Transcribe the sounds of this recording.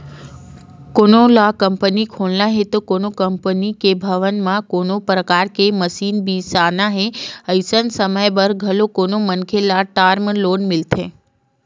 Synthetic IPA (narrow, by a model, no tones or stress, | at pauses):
konolakəmpənikʰoɭnãɦet̪okonokəmpənikebʱəʋənmãkonopɾəkaɾkeməsiːnbisanaɦeəjsənsəməjbəɾɡʱəlokonomənkʰelaʈaɾməlonmɪlt̪ʰẽ